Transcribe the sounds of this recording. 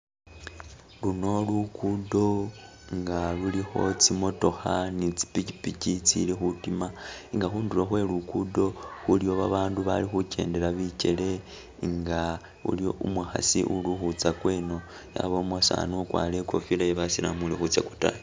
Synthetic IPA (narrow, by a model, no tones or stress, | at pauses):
luno̞lukudo̞ | ŋɡalulixo̞̰t͡simo̞to̞xanit͡si̥picipicit͡sḭlixutimaiŋɡaxuːnduloxwe̞lukudo̞xulijo̞βaβaːnduβa̰lixuce̞̰ːnde̞ɾaβice̞le̞ | ŋɡa | ṵlio̞ʔumwaxa̰sḭʔuluxut͡sakwe̞ːno̞ | ja̰βo̞mwasa̰nukwa̰le̞kofilajeβasilamulixut͡saku̥ta̰